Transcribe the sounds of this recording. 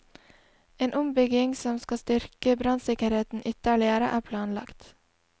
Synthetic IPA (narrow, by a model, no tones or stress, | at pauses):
eːnʔʊmbʏɡɪŋsɔmskɑst̪ʏɾkəbɾɑnsɪkəɾheːt̪n̩ʔʏt̪əɭɪəɾəʔæːpʰlɑːnlɑ̰kt̪